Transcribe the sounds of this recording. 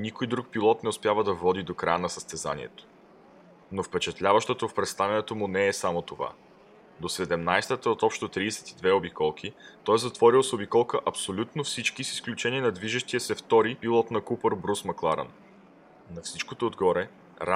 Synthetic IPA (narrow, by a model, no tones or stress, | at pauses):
inikojd̪ɾuk̚pilˠɔt̪nɛʊspʲjavəd̪ɐvɔd̪id̪okɾajənɐsə̥st̪ɛza̰nḭɛ̰t̪o̥ | nofpɛt͡ʃɛt̪lʲavəʃt̪ot̪ofpɾɛt̪st̪avʲɐnɛt̪omʊnɛːsamot̪ova̰ | d̪osɛd̪ɛmnajst̪ət̪əot̪ɔpʃt̪ot̪ɾiːsɛ̥t̪id̪vɛobikɔlˠk̟ʰit̪ɔjzɐt̪vɔɾilˠsobikɔlˠkəʔɐpsolʲut̪nofsit͡ʃkisi̥sklʲut͡ʃɛniɛnɐd̪viʒəʃt̪iəsɛft̪ɔɾipilˠɔt̪nɐkupəɾbɾusmɐklˠaɾɐ̰n | nɐfsit͡ʃkot̪oːd̪ɡɔɾɛ | ɾa